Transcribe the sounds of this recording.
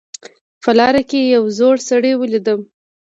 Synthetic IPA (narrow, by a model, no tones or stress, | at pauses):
pəlɑɾakejawzoɽsaɽewəlid̪əm